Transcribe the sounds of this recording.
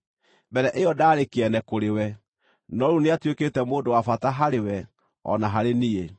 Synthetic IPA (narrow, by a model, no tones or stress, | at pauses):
bɛɾɛʔeɔdaːɾekeɛnɛkoɾewɛ | nɔɾuneatweketɛmoːdowafataɦaɾewɛ | ɔ̰naɦaɾenie